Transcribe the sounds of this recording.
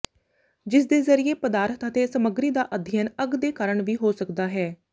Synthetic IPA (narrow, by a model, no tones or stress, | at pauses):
d͡ʒɪsd̪eːzəɾɪeːpəd̪aːɾət̪ət̪eːsəməɡɾiːd̪aːʔəd̪ʱənəɡd̪eːkəɾəɳʋiːɦoːsəkd̪aːɦɛː